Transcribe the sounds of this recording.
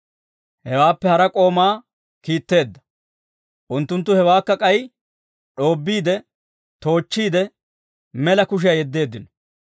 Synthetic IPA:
hɛwaːpːɛhɐɾɐkʼo̞ːmaː | kiːt̪ːe̞ːd̪ːɐ̥ | ʔʊnt̪ːʊnt̪̬ːʊhɛwaːkːɐkʼɐj | ᶑo̞ːbːiːd̪ɛ | t̪o̞ːt͡ʃːiːd̪ɛ | mɛlɐkʊʃ̬ɪjɐjɛd̪ːe̞ːd̪ːɪnɔ̥

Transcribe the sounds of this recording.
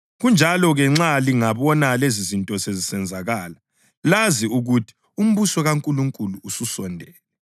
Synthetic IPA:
ɣund͡ʒʱalɔɣɛŋ͡ǁaliŋaβɔnalezizintʼɔsezisɛnd͡zʱaɣaːla | laziuɣutʰi̥ | um̩βusɔɣaŋkʼuluŋkʼuluːsusɔndʱɛːlɛ

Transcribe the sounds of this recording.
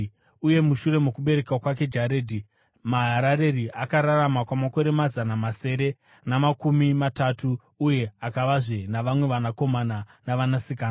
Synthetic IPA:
uje̞muʃure̞mokuɓe̞ɾe̞kwakwake̞d͡ʒaɾedʱi | maɦaɾaɾe̞riakaɾaramakwamako̞ɾe̞mazanamase̞ːɾe̞ | namakumimatatuː | je̞akaʋaʐenaʋamwe̞ʋanako̞mananaʋanasikaːna

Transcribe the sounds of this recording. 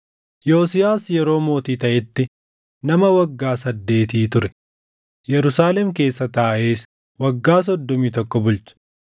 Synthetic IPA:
jo̞ːsɪjaːsjɛɾo̞ːmo̞ːt̪iːt̪ɐʔɛt̪ːɪ | nɐmɐwɐɡːaːsɐd̪ːe̞ːt̪iːt̪ʊɾɛ | jɛɾʊsaːlɛmke̞ːsːɐt̪aːʔe̞ːs | wɐɡːaːs̬ɔd̪ːɔmiːt̪ɔkːɔbʊlt͡ʃʊ̥

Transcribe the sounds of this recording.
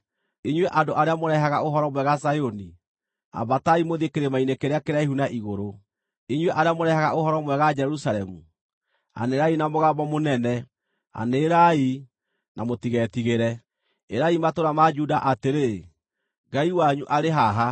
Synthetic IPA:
iɲweʔandoʔaɾeamoɾɛɦaɣaʔoɦɔɾɔmwɛɣasajoni | a̰bataimoðekeɾemainekeɾeakeɾeaeɦhunaʔiɣoɾo | eɲwɛʔaɾeamoɾɛhaɣaohɔɾɔmwɛɣad͡ʒɛɾusalɛmu | a̰neɾainamoɣabɔmonɛnɛ | a̰neːɾai | namotiɣɛtiɣeɾɛ | eɾaimatoɾamad͡ʒudaʔateɾe | ɡaiwaɲuʔaɾeɦaɦa

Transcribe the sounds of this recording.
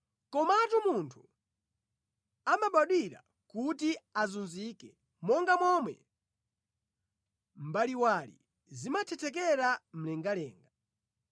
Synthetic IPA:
kɔmatumuntʰu̥ | amaɓaɗwiɾa̰ | kutiazunzikɛ | mɔŋɡamɔmwɛ̰ | m̩baliwalḭ | zimat͡ʃʰɛtʰɛk̬ɛɾam̩lɛŋɡalɛːŋɡa

